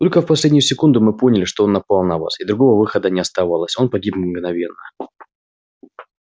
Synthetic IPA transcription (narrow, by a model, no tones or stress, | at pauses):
t̪o̞lʲkəfpɐsʲlʲedʲnʲɪjʊsʲɪkund̪ʊmɨpo̞nʲɪlʲɪʂt̪oo̞nːɐpalˠnɐva̰sɪd̪ɾʊɡo̞vəvɨxəd̪ənʲɪɐst̪ɐvalˠəsʲo̞npɐɡʲipmɡnɐvʲe̞nːə